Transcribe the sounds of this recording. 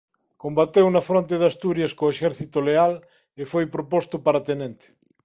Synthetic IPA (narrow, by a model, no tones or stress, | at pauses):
kombat̪ewnafɾont̪̬eðast̪uɾjaskoeʃɛɾθit̪oleal | efojpɾopost̪opaɾat̪enẽnt̪e̥